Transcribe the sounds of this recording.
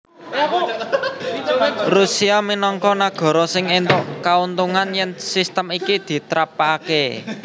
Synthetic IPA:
rusiaminɔŋkɔnaɡ̥ɔ̤ɾɔsɪŋent̪ʊʔkaunt̪uŋanjɛŋsist̪əmikid̪̥i̤t̪ɾapake

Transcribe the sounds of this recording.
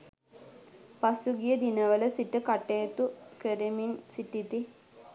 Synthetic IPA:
pasuɡijəd̪inəʋələsiʈəkaʈejət̪ukəɾeminsiʈit̪i

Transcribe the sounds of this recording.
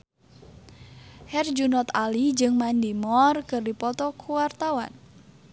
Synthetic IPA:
hɛrd͡ʒunɔt̪alid͡ʒɨŋmand̪imɔrkɨrdipɔt̪ɔkʰuwart̪awa̰n

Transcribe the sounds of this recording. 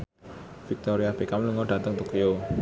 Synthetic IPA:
fik̚t̪oɾiab̥ekamluŋɔɖa̤t̪əŋt̪okio

